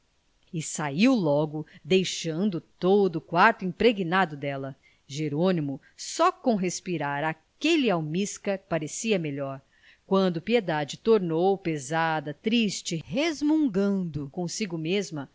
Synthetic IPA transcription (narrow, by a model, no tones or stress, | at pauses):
ɪsaiwlɔɡʊd̪ejʃɐ̃nd̪ʊt̪od̪ʊːkwaɾt̪ʊĩpɾeɡinad̪ʊd̪ɛlɐ | ʒeɾõnimʊ | sɔkõɦespiɾaɾa | keliawmiskɐɾpaɾesiɐmeʎɔɾ | kwɐ̃nd̪ʊpied̪ad͡ʒɪt̪oɾnowpezad̪ɐt̪ɾist͡ʃɪhezmũŋɡɐ̃d̪ʊkõsiɡʊmezmɐ